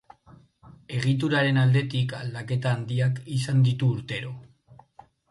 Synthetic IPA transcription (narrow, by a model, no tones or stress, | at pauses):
e̞ɣ̞it̪̬uɾaɾe̞nald̪e̞t̪ikald̪ake̞t̪aːnd̪iakisand̪it̪uːɾt̪e̞ɾo̞